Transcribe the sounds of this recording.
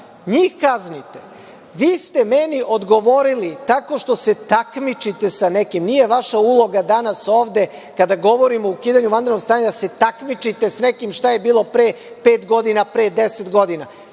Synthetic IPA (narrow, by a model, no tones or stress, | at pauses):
ɲiːxkaznit̪e | ʋiːst̪e̞meniʔo̞d̪ɡo̞ʋo̞ɾilit̪ako̞ʃt̪ose̞t̪akmit͡ʃit̪e̞sanekimnije̞ʋaʃaulˠo̞ɡad̪anaso̞ːʋd̪e̞ | kad̪aɡo̞ʋo̞ɾimoukiːd̪aɲuʋand̪eɾnoɡst̪aːɲad̪ase̞t̪akmit͡ʃit̪e̞snekimʃt̪aje̞biːlˠo̞pɾeː | peːt̪ɡo̞d̪inapɾeːd̪eset̪ɡo̞d̪ina